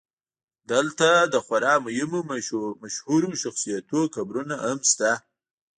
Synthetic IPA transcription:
d̪əlt̪ad̪əxwaɾɑmʊjɪmomaʃhuɾoʃaxsijat̪okabɾunaamst̪a

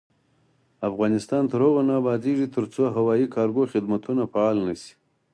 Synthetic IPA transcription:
afɣɑnɪst̪ɑnt̪əɾhoɣonɑbɑd̪iʐit̪ʰəɾt͡soɦawɑːikʰɑːɾɡoxɪd̪mat̪unafaɑlnəsi̥

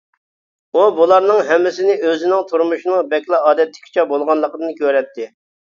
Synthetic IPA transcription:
ubulˠɑɾnɨŋɦɛmːɪsɪnɪøzɪnɪŋt̪ʰuɾmuʃinɨŋbɛkʲlˠɑɑːd̪ɛt̪ːɪ̥kʲi̥t͡ʃʰɛbolˠʁɑnlˠəqəd̪ɨnkʲʰøɾɛt̪ʰːɪ

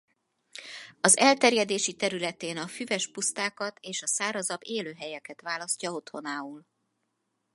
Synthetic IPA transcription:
ɒzɛlt̪ɛrjɛd̪eːʃit̪ɛɾylɛt̪eːnɒfyvɛʃpust̪aːkɒt̪eːʃɒsaːɾɒzɒbːeːløːɦɛjɛkɛt̪ʋaːlɒscɒo̞t̪ho̞naːuːl

